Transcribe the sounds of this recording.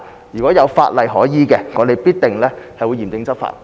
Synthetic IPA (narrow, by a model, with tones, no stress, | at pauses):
jyː˨˩kʷɔ˨˥jɐ˨˧wfa̰ː˧t̚lɐ˨jɦɔː˨˥jiː˨kɛ˧ŋɔː˨˧d̪e˨jpiː˥t̚t̪ɪ˨ŋlɛː˥hɐ˨jwuː˨˧jiː˨˩mt̪ɪ˨˧ŋt͡sɐ˥p̚fa̰ː˧˩t̚